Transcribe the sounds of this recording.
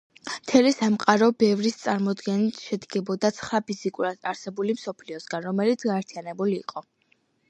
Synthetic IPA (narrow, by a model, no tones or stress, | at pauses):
mt̪ʰɛlisamqʼaɾɔbɛvɾist̪sʼaɾmɔd̪ɡɛnit̪ʰʃɛd̪ɡɛbɔd̪at̪sʰχɾapʰizikʼuɾad̪̥aɾsɛbulimsɔpʰliɔsɡanɾɔmɛlit̪sʰɡaɛɾt̪ʰianɛbulḭːqʼɔ